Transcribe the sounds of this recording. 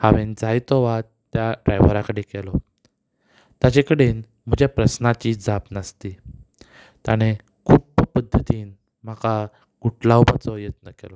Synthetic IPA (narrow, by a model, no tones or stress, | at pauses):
haʋend͡zajt̪ɔʋatt̪ːjaɖɾajʋəɾakəɽekɛlɔ | t̪jat͡ɕekəɽen | m̤əd͡ʑjapɾəsnat͡ɕiːd͡zapnəst̪i | t̪jaɽ̃e | kʰuːppəd̪ʱːət̪iːn | m̤aka | ɡuʈlawbat͡sɔjət̪̚nəkɛ̰lɔ